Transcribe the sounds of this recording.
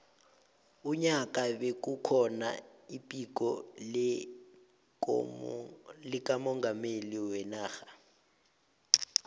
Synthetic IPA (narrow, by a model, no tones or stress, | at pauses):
uɲak̬ʼaɓek̬ukʰɔna̰ipʼik̬ɔ | lik̬ʼamɔŋɡʱameliwɛnaːxḁ